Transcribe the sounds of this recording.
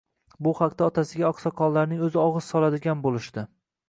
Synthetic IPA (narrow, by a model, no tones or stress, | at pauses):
bʊhaqt̪aɒt̪ʰasɪɡʲaɒqsɒqʰɒnlaɾnɪŋɵzɪɒʁɨz̥sɒlˠad̪ɪɡʲanbolɪʃt̪ɪ